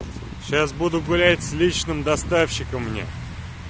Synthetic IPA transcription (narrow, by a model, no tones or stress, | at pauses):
ɕas̬bud̪ʊɡʊlʲætʲsʲlʲit͡ɕnɨmd̪ɐst̪afɕɪkəmːnʲḛ